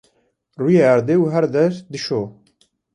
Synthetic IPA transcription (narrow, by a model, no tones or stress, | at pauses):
ruːjeaɾd̪eːuɦɛɾd̪ɛɾd̪ɨʃoː